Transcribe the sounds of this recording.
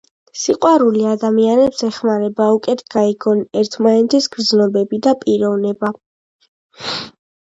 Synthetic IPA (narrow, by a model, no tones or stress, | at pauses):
siqʼwaɾuliad̪amianɛpsɛχmaɾɛbaukʼɛt̪ʰɡaiɡɔnɛɾt̪ʰmanɛt̪ʰɛsɡɾd̪znɔbɛbid̪apʼiɾɔvnɛba